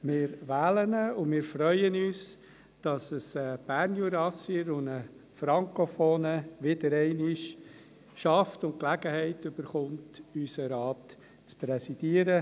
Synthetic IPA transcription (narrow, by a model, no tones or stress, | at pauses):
mɪːɾʋæːlənəʊmɪːɾfɾœʏənyːs | d̥ɑsəsəb̥æɾnjuɾɑsiɾʊnəfɾɑŋkofoːnəʋɪdəɾɛɪnɪʃ | ʃɑftʊnt̚klæɡəhɛɪtʏb̥əɾχʊntysəɾɑːpt | t͡spɾɛsid̥iəɾə